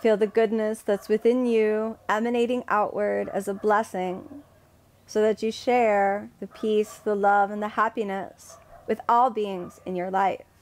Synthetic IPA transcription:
filˠðɨɡʊdⁿnɨsðɨtswɨθɪ̃njʉɛmɨneɪɾɪ̃ŋʔa̰ʊʔwə˞ɾɨ̰zəblɛsɪ̃ŋ | soʊðɨt͡ʃɨʃɛɹðɨpʰisðəlʌvɨ̃nðɨhæpinɨswɨðɔlˠbiɪ̃ŋz̥ɨ̃njə˞laɪf

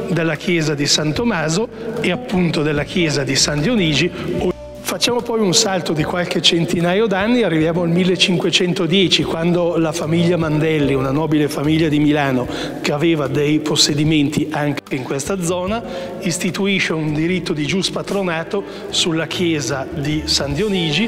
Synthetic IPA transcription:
d̪elːakjɛːzad̪isant̪omaːzoeapːunt̪od̪elːakjɛːzad̪isand̪joniːd͡ʒio | fat͡ʃːaːmopɔjunsalt̪od̪ikwalk̟et͡ʃent̪inaːjod̪anːiarːivjaːmoalmilːet͡ʃiŋkwet͡ʃɛnt̪od̪jɛːt͡ʃikwand̪olafamiʎːamand̪ɛlːiunanɔːbilefamiʎːad̪imilaːno | k̟eaveːvad̪ejposːed̪iment̪ʰiʔaŋkiŋkwest̪ad̪zɔːna | ist̪it̪uiʃeund̪iɾit̪ːod̪id͡ʒuspat̪ɾonaːt̪o | sulːakʰjɛːzad̪isand̪joniːd͡ʒi

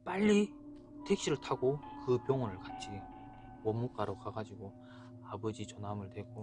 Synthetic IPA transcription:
paʎːi | tʰe̞k̚ɕ͈iɾɯɭtʰaɡokɯpjʌŋʌnɯɭkat͡ɕʰi | wʌmːuk͈aɾokaɡad͡ʑiɡo | abʌd͡ʑit͡ɕʌnɦamɯɭtwe̞ɡ͈o

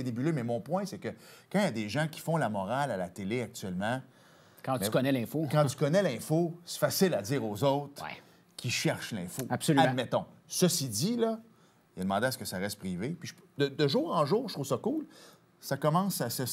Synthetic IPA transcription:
enebylømɛmɔ̃pwɛ̃sɛkʲəkɑ̃jad̪eʒãkʲi̥fɔ̃lamɔʁalalat̪eleak̚t̪yɥɛlmã | kɑ̥̃kɔnɛlɛ̃fokãy̥kɔnɛlɛ̃fosɛ̥fasɪlad͡zziːʁozɔwt̪ʁ̰ | kʲʰiʃɛʁʃlɛ̃foapsolyãmɛt̪ɔ̃səsid͡z̪ilʌ | ijad̪əmɑ̃d̪easə̥kəsaʁɛst̪̚pʁivepiʒpd̪əd̪əʒuːʁɑ̃ʒuːʁət̪ʁuvsʌkul | sakɔmɑ̃sasə

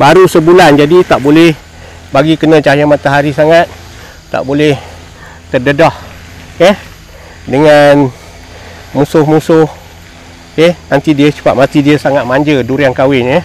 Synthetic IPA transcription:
baɾusəbuland͡ʒadit̪aʔbolɛh | baɡikənət͡ʃajamat̪aɦaɾisaŋat̪̚ː | a̰ʔbolɛh | t̪ərdədɔh | eh | dəŋan | musʊhmusʊh | ehnant̪idiət͡ʃə̥pa̰ʔ̚mat̪idiəsaŋat̪̚maɲd͡ʒəduɾaŋkawɪneh

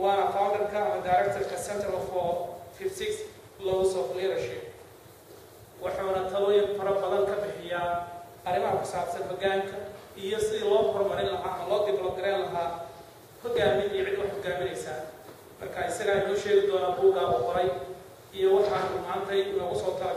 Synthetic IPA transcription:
wɑːnɐfaːmɐrkʰɐɐmɐdajɾɛk̚t̪ʰɛrkʰɐsɛnt̪ʰɾɔfɔfɪbsɪks | lɔːɣʊsɔːflɛɾɐʃɛ | wɑħɑnɐt̪ʰɐlɔjɐnfɐɾɐbɐðɐŋkʰɐbɪħɪja | ɐrɪmɐɦɐkʰʊ̥saːbsɐnɦɔɣaːŋkʰɐʔijɔsɪðilɔːhʰɔrmɐɾɪnlɐɦaːɐmɐlɔːɡ̪ɪblɔɡɐɾɛːnlɐɦaː | hɔɡaːmɪnijɐʕɪd̪wɑħhɔɡaːmɪnɛjsaː | mɐrkʰaːɪsɐɣaːʊʃɛːɣɪd̪ɔːnaːnbuːɡaːβɔqʊɾɛj | ijɔwɑħɑːnʊmaːnt̪ʰɐjɪnɔːɣʊsɔːt̪ʰɐlɐ

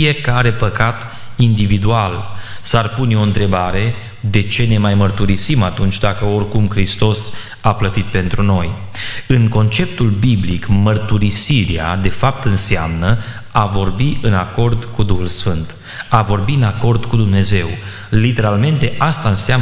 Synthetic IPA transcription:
ije̞kaɾe̞pəkat̪ | ind̪ivid̪ualsarpuneo̞ɨnt̪ɾe̞baɾe̞ | d̪e̞t͡ʃe̞ne̞majmərt̪uɾisimat̪unt͡ʃʲd̪akəo̞rkumkɾist̪o̞s | aplət̪it̪̚pe̞nt̪ɾuno̞j | ɨŋko̞nt͡ʃe̞p̚t̪ulbiblikmərt̪uɾisiɾea̰d̪e̞fap̚t̪ɨnseamnə | avo̞rbiʔɨnako̞rd̪kud̪uxulsfɨnt̪ | avo̞rbiɨnako̞rd̪kud̪umne̞ze̞w | lit̪e̞ɾalme̞nt̪e̞ʔast̪aɨnseam

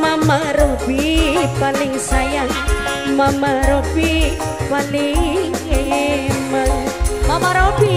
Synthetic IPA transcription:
mamaɾobipalɪŋsajaŋ | mamaɾobi | paliŋeməŋmamaɾobi

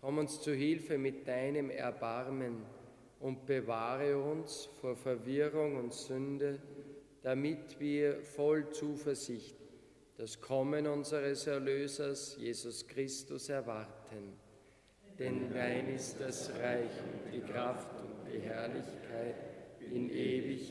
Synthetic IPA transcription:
kʰɔmʊnst͡suɦɪlfəmɪt̚d̥aɪnəmɛ̰ɐbaʁmən | ʊnt̚b̥əvaːʁəʊnsfoːɐfɛɐvɪʁʊŋʊntsʏndə | d̥amɪtv̥iːɐfɔlt͡suːfɛɐzɪçt | d̥askʰɔmənʊnzəʁəsɛɐløːzɐsjeːzʊskʁ̥ɪstʊsɛɐvaʁtʰən | d̥ɛndaɪnɪstd̥asʁaɪçd̥iːkʁaftʊntd̥iːɦɛɐlɪçkʰaɪtɪnʔeːvɪç

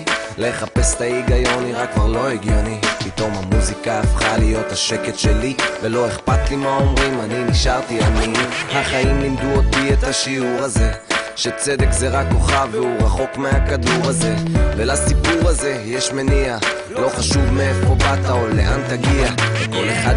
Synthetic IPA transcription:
leχape̞st̪aiɡajo̞niʁakːvaʁlo̞eɡjo̞nipit̪o̞mhamuzikaːfχalijo̞t̪haʃe̞ke̞tʃe̞livelo̞eχpat̪limao̞mʁimaniniʃaʁt̪ianihaχaimlimd̪uot̪iet̪haʃiuʁaze̞ʃe̞t͡se̞d̪e̞kzeʁako̞χaveuʁaχo̞kmehakad̪uʁaze̞velasipuʁaze̞jeʃme̞nia | lo̞χaʃuvmeefobat̪aolḛʔant̪aɡiaveko̞le̞χad̪

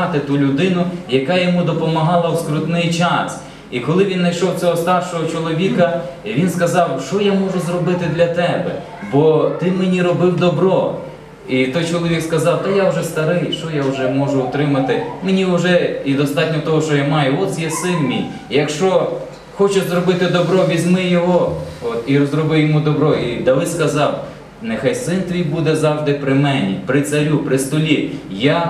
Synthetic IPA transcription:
ɑt̪ɪt̪ulʲʊd̪ɪnʊjɐkɑjɔmud̪ɔpɔmɐɦɑlˠɐwskɾʊt̪nɛjt͡ʃɑs | ikɔlˠɪʋʲinːɐjʃɔwtt͡sʲɔɦɔst̪ɑrʃɔɦɔt͡ʃɔlˠɔʋʲikɐʋʲinskɐzɑwʃt͡ʃɔjamɔʒʊzɾɔbɪt̪ɪd̪lʲɐt̪ɛbɛ̰ | bɔt̪ɪmenʲiɾɔbɪwd̪ɔbɾɔ | it̪ɔjt͡ʃɔlˠɔʋʲikskɐzɑwt̪ɐjaʊʒɛst̪ɐɾɪjʃt͡ʃɔjaʊʒɛmɔʒʊʊt̪ɾɪmɐt̪ɪmenʲiʊʒɛid̪ɔst̪ɑt̚ʲnʲɔt̪ɔɦɔʃt͡ʃɔjamɑjʊɔt̪sʲjɛsɪnmʲḭj | jɐkʃt͡ʃɔ | xɔt͡ʃɪʃzɾɔbɪt̪ɪd̪ɔbɾɔʋʲizʲmɪjɔɦɔɔt̪iɾɔzrɔbɪwjɔmud̪ɔbɾɔid̪ɐʋɪskɐzɑw | nexɑjsɪnt̪ʋʲijbud̪ɛzɑwʒd̪ɪpɾɪmɛnʲḭpɾɪt̪sɐɾʲupɾɪst̪ɔlʲija

